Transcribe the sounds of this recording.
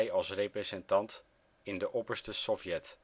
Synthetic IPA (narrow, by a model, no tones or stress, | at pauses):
jɑlˠsrejprezɛntɑnt | ɪndəʔɔpəɹstəsɔfjɛt